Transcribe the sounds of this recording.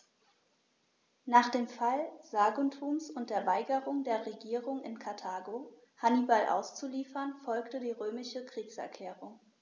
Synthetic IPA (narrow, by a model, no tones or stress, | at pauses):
naːχd̥eːmfalz̥aːɡontʰuːmsʊnt̚d̥eːɐvaɪɡəʁʊŋdeːɐʁeɡiːʁʊŋɪnkʰaɐtʰaːɡo | hanibalʔa̰ʊst͡suliːfɐnfɔlktədiːʁøːmɪʃəkʁ̥iːksɛ̰ɐkʰl̥ɛːʁʊŋ